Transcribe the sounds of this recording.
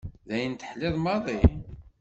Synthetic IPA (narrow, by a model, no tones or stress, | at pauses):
ðæjənt̪ə̥ħlɪðˤmɑðˤi